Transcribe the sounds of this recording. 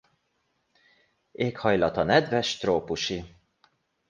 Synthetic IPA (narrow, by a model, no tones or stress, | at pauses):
eːkhɒjlɒt̪ɒnɛd̪vɛʃt̪roːpuʃi